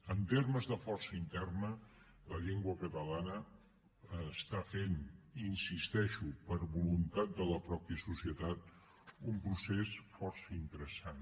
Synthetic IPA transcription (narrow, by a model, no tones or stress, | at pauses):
ənt̪erməzðəfɔrsəint̪ɛrnə | ləʎeŋɡwəkət̪əlanə | st̪afenːnsist̪ɛʃupəɾβulunt̪at̪̚d̪ələpɾɔpiəsusiət̪at̪̚ | umpɾusesfɔrsəint̪əɾəsan